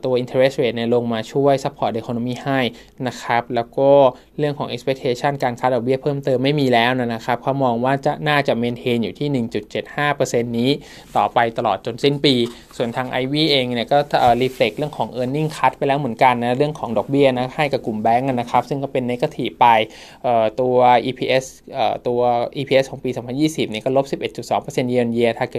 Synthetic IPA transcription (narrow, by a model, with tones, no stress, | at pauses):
t̪u˧ɐʔi˧nt̪ʰe˧ɾe˦˥sweː˨˩t̪̚ni˧˩lo˧ŋmaː˧t͡ɕʰu˥˩əjsa˦˥pʰːɔː˨˩de˧kʰoː˧no˧miː˥˩ha˥˩j | na˦˥kʰa˦˥p̚lɛː˦˥wkɔː˥˩ | ɾɯ˥˩əŋkʰɔː˩˦ŋʔi˦˥spʰe˦˥k̚ʰeː˧t͡ɕʰa˥˩nkaː˧nkʰaː˦˥dɔ˨˩k̚bi˥˩pʰɤː˥˩mt̪ɤː˧mːa˥˩jmiː˧lɛː˦˥wna˦˧˩na˦˥kʰa˦˥p̚kʰa˦˥˩mɔː˧ŋwaː˥˩t͡ɕa˨˩naː˥˩t͡ɕa˨˩meː˧nt̪ʰeː˧njuː˨˩t̪ʰiː˥˩nɯ˨˩ŋt͡ɕu˨˩t̪̚t͡ɕe˨˩t̪̚haː˥˩pɤː˧se˧nːiː˦˥ | t̪ɔː˨˩pa˧jt̪a˧lɔː˨˩t̪̚t͡ɕo˧nsi˥˩npiː˧ | su˨˩ənt̪ʰaː˧ŋʔa˧jwiː˥˩ʔeː˧ŋni˥˩əkɔː˥˩ʔəː˨˩ɾiː˧fʰle˨˩k̚ɾɯ˥˩əŋkʰɔː˩˦ŋʔɤː˧nːi˥˩ŋkʰa˦˥t̪̚pa˧jlɛː˦˥wmɯ˩˦ənka˧nːa˦˥ɾɯ˥˩əŋkʰɔː˩˦ŋdɔː˨˩k̚bi˥˩ɐna˦˥ha˥˩jka˨˩p̚ku˨˩mbɛː˦˥ŋʔa˧nːa˦˥kʰa˦˥p̚sɯ˥˩ŋkɔː˥˩pe˧nːa˦˥ka˥˩t̪ʰiː˨˩pa˧j | ʔɤː˨˩t̪u˧ɐɐʔiː˧pʰiː˧ʔe˦˥s | ʔɤː˨˩t̪u˧ɐʔiː˧pʰiː˧e˦˥kʰɔː˩˦piː˧sɔː˩˦mpʰa˧njiː˥˩si˨˩p̚niː˥˩kɔː˥˩lo˦˥p̚si˨˩p̚ʔe˨˩t̪̚t͡ɕu˨˩sɔː˩˦ŋpɤː˧se˧nji˧o˧nji˧ɐt̪ʰaː˧˩˧